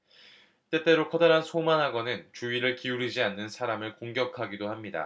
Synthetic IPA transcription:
t͈e̞t͈e̞ɾokʰʌdaɾɦansʰomanɦaɡʌnɯnt͡ɕuiɾɯɭkiuɾid͡ʑianːɯnsʰaɾamɯɭkoŋɡjʌkʰaɡidohamɲida̰

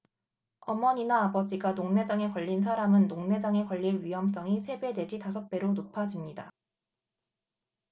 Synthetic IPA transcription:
ʌmʌɲinaːbʌd͡ʑiɡanoŋne̞d͡ʑaŋe̞kwʌʎːins̬ʰaɾamɯnːoŋne̞d͡ʑaŋe̞kʌʎːiɾɥiɦʌms̬͈ʌŋisʰe̞be̞de̞d͡ʑitasʰʌk̚p͈e̞ɾonopʰad͡ʑimɲida̰

